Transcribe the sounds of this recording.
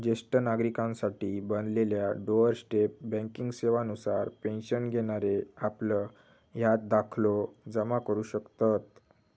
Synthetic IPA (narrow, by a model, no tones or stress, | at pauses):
d͡ʑesʈənaɡɾikãnsaʈiːbənleljaɖoəɾsʈep̚bɛ̃ŋkiŋɡseʋanusaɾpẽnɕənɡʱeɽ̃aɾeaplə | jat̪̚d̪akʰlod͡zəmakəɾuːɕəkt̪at̪